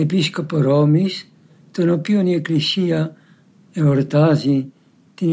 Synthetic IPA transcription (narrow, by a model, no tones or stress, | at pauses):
episkɔpɔɾɔmis | t̪ɔnokionieklisia | eɔɾt̪azi | t̪in